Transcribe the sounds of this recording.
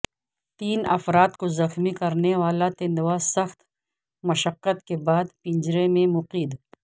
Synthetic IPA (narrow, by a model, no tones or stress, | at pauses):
t̪iːnɐ̰fɾaːt̪kozɐxmikɐɾneʋaːlat̪ɪ̃nd̪wasɐxt̪ | mɐʃəqːət̪̚kebaːd̪pɪ̃ɲd͡ʒɾemẽmʊqiːd̪